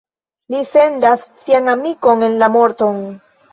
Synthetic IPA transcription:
lise̞ndasːiaŋamiko̞ŋe̞nlamo̞ɾt̪o̞n

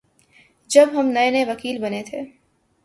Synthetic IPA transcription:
d͡ʒɐbɦɐmnɐjneʋɐkiːlbɐnet̪ʰeː

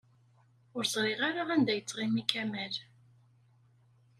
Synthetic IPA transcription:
ʊɾzˤɾˤiʁaɾaænd̪æjət͡sːʁimikæmæl

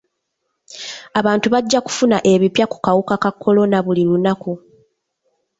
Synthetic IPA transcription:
aβaːntuβaɟːaku̥funaʔe̞βipjaku̥kawukakakːo̞lo̞naβulilunaku

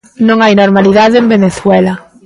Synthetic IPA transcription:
nõŋajnoɾmaliðaðeembeneθwɛla

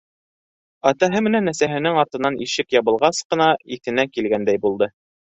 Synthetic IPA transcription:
ɑt̪ɑɦɤmɘ̆nænːæsæɦɘ̆nɘŋɑɾt̪ɤ̆nːɑniʃɘkjɑβɤ̆lˠʁɑsqɤ̆nɑiθɘ̆nækilɡænd̪æjbulˠd̪ɤ

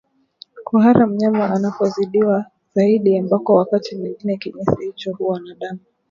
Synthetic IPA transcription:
kʰuɦaɾam̩ɲamaʔanapɔziɗiwa | z̥aiɗiambakɔwakatimwiŋɡinɛkiɲɛsihit͡ʃɔhuwanaɗama

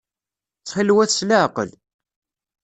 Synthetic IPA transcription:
t͡sːχəlːwæθsləʕqə̰l

